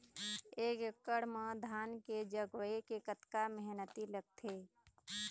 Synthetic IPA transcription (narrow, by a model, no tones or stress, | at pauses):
eːkkːəɽməd̪ʱaːnked͡ʒəɡwekekət̪kaməɦnət̪iləɡ̚t̪ʰeː